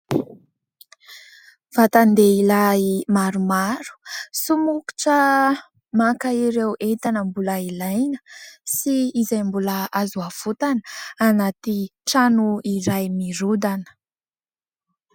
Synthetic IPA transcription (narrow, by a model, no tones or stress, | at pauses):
vat̪and̪eilaimaɾumaɾu̥sumuku̥ʈ͡ʂə | makaiɾewʔet̪anəmbuləilajnə̥siːzajmbuləazuafut̪anə̥anat̪iʈ͡ʂanuiɾajmiɾud̪anə̥